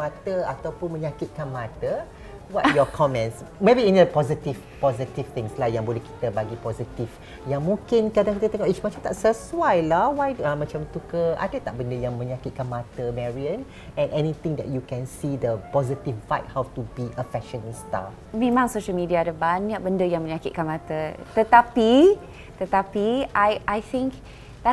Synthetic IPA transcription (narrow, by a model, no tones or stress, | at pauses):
mat̪əat̪awpʊnmə̃ɲakit̪̚kanmat̪ə | wɔtjɔkʰɔmɛ̃ntsmebiĩndəpɔzitiv | pɔzit̪ift̪ɪ̃ŋslahjãŋbolɛhki̥t̪əbaɡipɔzit̪iv | jãŋmũŋkɪnkadaŋkit̪ət̪əŋɔʔit͡ʃmat͡ʃãmt̪aʔsəswajlahwajdamat͡ʃãmt̪ukəʔa̰dət̪aʔ̚bəndəjãŋmə̃ɲakit̪̚kanmat̪əmɛɹiə̃n | ɛ̃nʔɛnit̪ɪ̃ŋdɛ̰t̚jukɛ̃nsidəpɔzit̪iffajt̚hawtubiʔəfɛʃə̃nist̪a̰ | mẽmãŋsoʃəlmidiaːdəbaɲak̚bəndəjaŋmə̃ɲakit̪̚kanmãt̪ət̪ət̪api | t̪ət̪apiʔajʔajθɪ̃ŋk | d̪a